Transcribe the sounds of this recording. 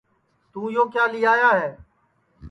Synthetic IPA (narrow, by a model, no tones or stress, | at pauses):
t̪uːjoːkjaːlɪːaːjaːɦeː